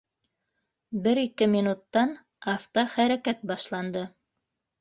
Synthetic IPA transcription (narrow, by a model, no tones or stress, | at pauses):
bɘɾikɘminut̪ːɑn | ɑft̪ɑχæɾækæt̪̚bɑʃlˠɑnd̪ɤ